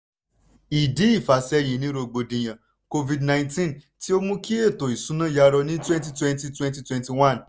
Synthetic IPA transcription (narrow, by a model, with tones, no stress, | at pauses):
i˨di˨˦i˦˨fa˨˦sɛ˦j̃ĩ˧nĩ˦ɾo˧ɡ͡bo˧dĩ˨j̃ã˨ | ko˧vi˧dnã˧˨ntĩ˦n | ti˦o˦mũ˦ki˦e˦˨to˨i˨sũ˨˦nã˦˨ja˧ɾɔ˧nĩ˦twɛ̃˦nti˦twɛ̃˦nti˧twɛ̃˦nti˧˦twɛ̃˧˦nti˧wã˦˨n